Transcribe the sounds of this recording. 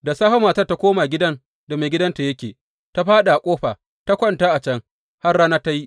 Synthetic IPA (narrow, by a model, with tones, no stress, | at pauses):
da˨saː˦ɸa˦maː˨ta˦rta˦kʷoː˦maː˨ɡʲɪ˦dɐ˦n | da˨me˨ɡʲɪ˦dɐ˦nta˨jɐ˦kʲeː˨ | ta˦ɸaː˦ɗa˨ʔa˨kʷʼoː˦ɸa˨ | ta˦kʷɔ˦ntaː˦ʔa˨t͡ʃɐ˦ŋ | ha˦rɽaː˦naː˦ta˦ji˦ʔ